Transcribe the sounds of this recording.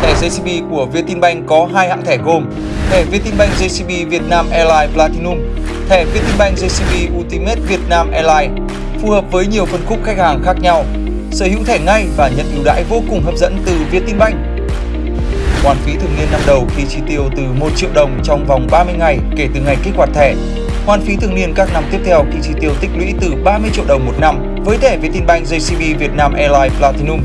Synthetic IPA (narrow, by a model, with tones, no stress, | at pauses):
t̪ʰɛ˧˩zə˧jsi˧˩ɓi˧˩ku˧˩əvi˧ət̪i˧nɓa˧jŋ̟kɔ˨˦ɦaː˧jha̰ː˧˨nt̪ʰɛː˧˩ɣo˨˩m | t̪ʰɛ˧˩vi˧ət̪i˧nɓa˧jŋ̟zə˧jsi˧ɓi˧vi˨˩ət̚naː˧mʔɛ˧laː˧jplaː˧t̪i˧nu˧m | t̪ʰɛ˧˩vi˧ət̪i˧nɓa˧jŋ̟zə˧jsi˧ɓi˧ʔu˧t̪i˧me˦˥t̚vi˨˩ət̚naː˧mʔɛ˧laː˧j | fu˨˩həː˨˩p̚vəː˨˦jɲi˨˩əwfə˧˩nxʊ˦˥k͡p̚xa˦˥k̚haː˨˩ŋxaː˦˥k̚ɲa˧w | səː˧˩hḭ˧˥wt̪ʰɛ˧˩ŋa˧jvaː˨˩ɲə̰˧˨nʔi˧˩wɗa̰ː˧˥jvo˧kʊ˨˩ŋ͡mɦəː˨˩p̚zə̰˧˥nt̪ɨ˨˩vi˧ət̪i˧nɓa˧jŋ̟ | hwaː˨˩nfi˨˦t̪ʰɨ˨˩əŋni˧ənːa˧mɗə˨˩wxi˧˩t͡ɕi˨˧˦t̪i˧˩əwt̪ɨ˨˩mo˨˩t̚t͡ɕḭ˧˨əwɗə˨˩wŋ͡mt͡ɕɔ˧wŋ͡mva˨˩wŋ͡mɓaː˧mɨ˧əjŋa˨˩jke˧˩t̪ɨ˨˩ŋa˨˩jkk̚waː˨˩t̪ʰɛ˧˩ | hwaː˨˧˩nfi˨˦t̪ʰɨ˨˩əŋni˧ənkaː˦˥k̚na˧mt̪i˦˥əp̚t̪ʰɛ˧wk̪i˧˩t͡ɕi˨˦t̪i˧˩əwt̪ï˦˥k̟̚lwḭ˧˥t̪ɨ˨˩ɓaː˧mɨ˧ət͡ɕḭ˧˨əwɗə˨˩wŋ͡mmo˨˩t̚na˧m | vəː˨˦jt̪ʰɛ˧˩vi˧˩ət̪i˧nɓa˧jŋ̟zə˧jsi˧ɓi˧vi˨˩ət̚naː˧mʔɛ˧laː˧jplaː˧t̪i˧nʊ˧m